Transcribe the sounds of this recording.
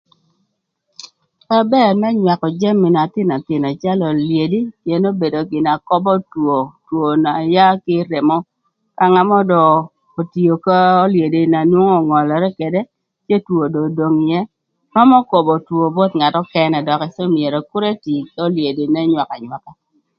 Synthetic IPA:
pa˦bɛ˦˨mɛ˦ɲwa˨kɔ˨d͡ʒɛ˦mːɪ˨na˨t̪ɪ˦na˨t̪ɪ˨na˨t͡ʃa˦lɔ˨lje˨di˦kje˨no˦be˨do˨ɡɪ˨na˨kɔ˦bɔ˦two˨two˨na˨ja˦kɪ˦ɾe˨mɔ˦ | ka˦ŋa˦mɔ˦dɔ˨ | o˨ti˨o˨ka˦o˦lje˨di˨na˨nwo˦ŋɔ˦˨ŋɔ˨lɔ˨ɾɛ˦kɛ˨dɛ˦ | t͡ʃje˦two˨do˨do˨ŋɪ˨jɛ˦ | ɾɔ˦mɔ˦ko˨bɔ˨two˨bɔ˦t̪ŋa˨tɔ˦kɛ˦nɛ˨dɔ˨kɛ˨sɔ˦mje˨ɾɔ˨kʊ˦ɾe˦ti˨ko˦lje˨di˨nɛ˦ɲwa˨ka˨ɲwa˨ka˦

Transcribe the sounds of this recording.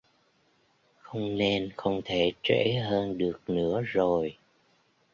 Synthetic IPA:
xə˧wŋ͡mne˧nxə˧wŋ͡mt̪ʰe˧˩˦t͡ɕwḛ˧˥ɦəː˧nɗɨ˨˩ək̚nɨ̰˧˥əzo˨˩j

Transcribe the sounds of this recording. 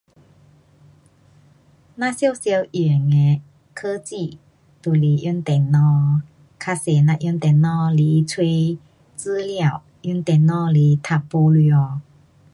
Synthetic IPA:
nã˧˥sjo˥˧wsjə˧wʔi˨˩ŋe˨˦ | kʰə˦t͡ɕi˥˩˨ | t̪u˨˩li˨˩ʔju˧˥˦nt̪e˨ŋnɔ˧˦ | kʰa˧se˨nã˧ʔju˧˥nt̪ɛ˨nnɔ˧˦li˨˧˦t͡sʰwe˧ | t͡s̩˦lja˥˨w | jy˧˥˦nt̪ɛ˨˩nnɔ˧˦li˨˦t̪ʰa˨˩ppo˧li˧˩ɔ˨

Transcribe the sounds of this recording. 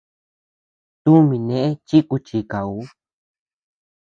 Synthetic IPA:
t̪u˦mĩ˧nẽ˧˨ʔẽ˦t͡ʃi˦ku˧t͡ʃi˧ka˨u˨˦

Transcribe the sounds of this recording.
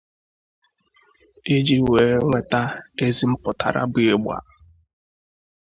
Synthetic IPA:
e˦d͡ʒi˦we˨ŋʷe˦ta˦e˦zi˦m̩˦pʊ˨tʰa̰˨ɾa̰˦bi˦e˦ɡ͡bʷa̰˨

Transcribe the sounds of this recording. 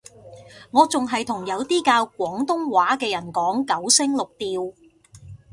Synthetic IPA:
ŋɔː˨˧t͡sʊ˨ŋɦɐ˨jt̪ʰʊ˨˩ŋjɐ˨˧wt̪iː˥kaː˧wkʷɔː˨˥ŋt̪ʊ˥ŋwaː˨˥kɛː˧jɐ˨˩nkɔː˨˥ŋkɐ˨˥wsɪ˥ŋlʊ˨k̚t̪iː˨w

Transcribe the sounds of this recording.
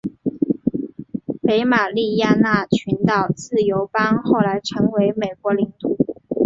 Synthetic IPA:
pe˧˥ɪma˨˩li˥˧ja˥˧na˥˩t͡ɕʰy˧˥nt̪ɑ˨˩ʊt͡sɹ̩˥˩jo˧˥ʊpɑ˥ŋxo˥˩ʊla˧˥ɪʈ͡ʂʰɤ˧˥ŋwe˧˥ɪme˨˩ɪkwɔ˧˥li˧˥ŋt̪u˨˩˦

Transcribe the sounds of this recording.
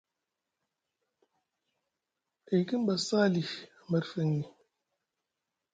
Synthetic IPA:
e˨ki˦n˦ba˨saː˦˨li˨a˨mə˦ɾfe˨˦ŋni˨

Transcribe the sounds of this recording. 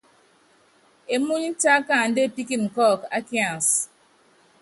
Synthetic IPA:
e˨mu˦ɲ˦n̩˦ta˦ka˦˨n̩˨˦de˦˨pi˦ki˦˨nŋ̩˨kɔ˦˨ka˦ki˦a˨n˨s

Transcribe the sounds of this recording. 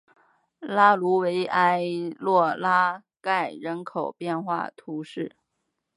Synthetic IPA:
la˥lu˧˥we˧˥ɪʔa˥ɪlwɔ˥˩la˥ | ka˥˩ɪɻə˧˥nkʰo˨˩ʊpjɛ˥˧nxwa̰˥˩t̪ʰu˧˥ʂɻ̩˥˩

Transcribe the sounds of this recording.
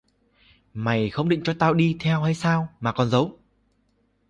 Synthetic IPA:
ma˨˩jxə˧wŋ͡mɗḭ˧˨ŋt͡ɕɔ˧t̪aː˧wɗi˧t̪ʰɛ˧whaː˧jsaː˧wmaː˨˩kɔ˨˩nzə˨˦w

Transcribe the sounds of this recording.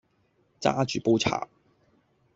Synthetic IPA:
t͡sa̰ː˥t͡ʃyː˨˩po˥t͡sʰa̰ː˨˩

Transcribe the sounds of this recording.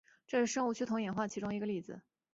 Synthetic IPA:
ʈ͡ʂɤ˥˧ʂɻ̩˥˩ʂɤ˥ŋu˥˩t͡ɕʰy˥˩t̪ʰʊ˧˥ŋjɛ˨˩nxwa˥˩t͡ɕʰi˧˥ʈ͡ʂʊ˥ŋi˧˥ɡə˧li˥˩d͡zɹ̩˨˩˦

